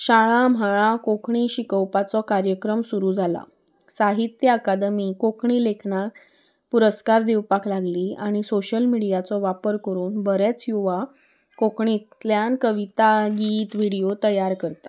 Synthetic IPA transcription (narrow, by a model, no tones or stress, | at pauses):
ɕaɭãm̤ʱaɭakokʰɳiɕikəwpat͡sɔkaɾjəkɾəmsuɾuːd͡zʱala̰ | saɦit̪jəakad̪miːkokʰɳilekʰnak | puɾəskaɾd̪ewpaklaɡliːaɽ̃isoɕəlmiɽijat͡sɔʋapəɾkəɾuːnbəɾɛt͡sjuʋa | kokɳit̪ljankəʋit̪aɡiːt̪ʋiɽijot̪əjaɾkəɾt̪ḁ